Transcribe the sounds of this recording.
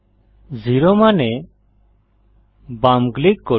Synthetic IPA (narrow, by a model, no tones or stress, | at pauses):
ziɾɔmanɛ | bamɡlikːɔ